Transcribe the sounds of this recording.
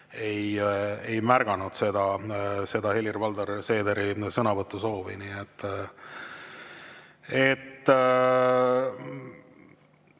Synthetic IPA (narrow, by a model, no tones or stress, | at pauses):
e̞jejmærɡ̥ɑnud̪̥se̞d̪̥ɑse̞d̪̥ɑhe̞lirvɑld̪ɑɾse̞ːd̪eɾisɤnɑvɤt̪ːˑuso̞ːvḭniet̪ː | e̞t̪ː